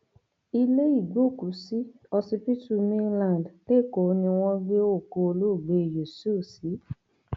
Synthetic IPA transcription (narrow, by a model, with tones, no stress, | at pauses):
i˧le˦i˦˨ɡ͡bo˦˨ku˨si˦ | ɔ˧si˧pi˦tu˧mĩ˦lã˨n˨dle˦˨ko˨˦nĩ˧w̃ɔ̃˦ɡe˦o˦˨ko˧o˧lo˦˨ɡ͡be˧˨jo˨su˦˨si˨˦